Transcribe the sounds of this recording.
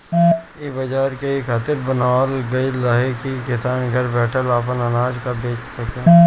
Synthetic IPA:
ibɐd͡ʒaːɾkeekʰaːt̪ɪɾbɐnaːlɡɐilaɦekikɪsaːnɡʱɐɾbɛːʈʰəlaːp̬ənɐnaːd͡ʒkabeːt͡ʃʰsɐkeː

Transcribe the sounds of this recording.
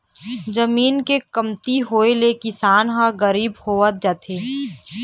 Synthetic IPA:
d͡ʒəmiːnkekəmt̪iɦoːelekɪsaːnɦãɡəɾiːbhoːʋət̪̚d͡ʒaːt̪ʰeː

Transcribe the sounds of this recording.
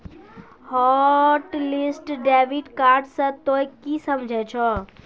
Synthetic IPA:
hɔʈlɪsʈɖeːʋiʈkaːɾɖsə̃t̪ojkisəmd͡ʒʱɛt͡ʃʰɔ

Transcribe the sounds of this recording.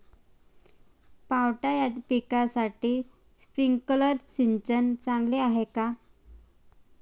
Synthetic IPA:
pawʈajad̪pikasaʈiː | spɾiŋɡkələɾsint͡ɕənt͡sãŋɡleaɦeka

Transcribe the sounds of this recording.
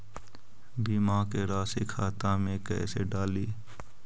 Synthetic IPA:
biːmaːkeɾaːsikʰaːt̪ãːmẽkɛ̰ːseɖaːliː

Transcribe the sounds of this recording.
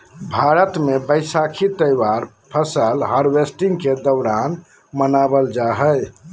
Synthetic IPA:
bʱaɾət̪mebəjsakʰit̪əjwaɾ | pʰəsəlɦəɾwesʈiŋɡked̪əʊɾan | mənabəld͡ʒaɦəj

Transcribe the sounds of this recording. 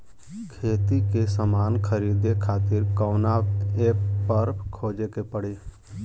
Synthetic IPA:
kʰeːt̪ikesəmaːnkʰəɾiːd̪ekʰaːt̪ɪɾkəːnaːeːppəɾkʰoːd͡ʒekepəɽeː

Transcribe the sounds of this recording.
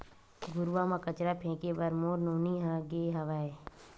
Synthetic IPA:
ɡʊɾʋamãkət͡ʃɾapʰẽːkebɐɾmoːɾnoːniɦãːɡeːɦɐʋae

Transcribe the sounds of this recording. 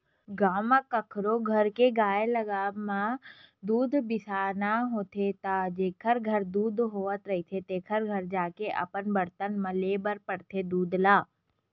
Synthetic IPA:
ɡaːmãkəkʰɾoɡʱɐɾkeɡaːelɐɡaːmãd̪uːd̪bɪsaːnaɦoːt̪ʰet̪ad͡ʒeːkʰəɾɡʱɐɾd̪uːd̪ɦoːʋət̪ɾɐɦit̪ʰet̪eːkʰəɾɡʱɐɾd͡ʒaːkeʔɐ̰pənbɐɽt̪ənmɐ̃leːbəɾpəɽt̪ʰed̪uːd̪laː

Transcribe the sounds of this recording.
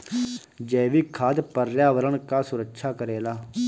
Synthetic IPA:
d͡ʒɛːʋiːkʰaːt̪pəɾjaːʋəɾəɳkaːsʊɾəkʃʰaːkəɾeːlaː

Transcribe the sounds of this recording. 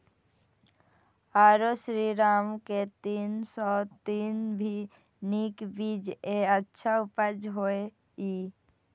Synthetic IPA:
aːɾoʃɾiɾaːmket̪iːnsɔt̪iːnbʱi | nikbid͡ʒeətːʃʰaʊpəd͡ʒɦoe | iː

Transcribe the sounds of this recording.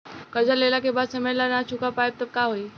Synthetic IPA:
kəɾd͡ʑalelakebad̪səməjlanat͡ʃʰukapajb̚t̪əb̚kaɦoi

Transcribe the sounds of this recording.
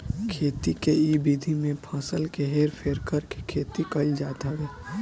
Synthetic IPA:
kʰeːt̪ikeiːbiːd̪ʱimẽpʰãːsəlkeɦeːɾpʰeːɾkəɾke̥kʰeːt̪ikɐld͡ʒaːd̪aʋeː

